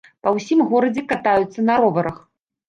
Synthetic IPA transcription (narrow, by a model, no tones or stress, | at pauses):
pɐwsʲimɣɔɾɐd͡zʲɛkat̪ajut̪sːɐnɐɾɔvɐɾɐx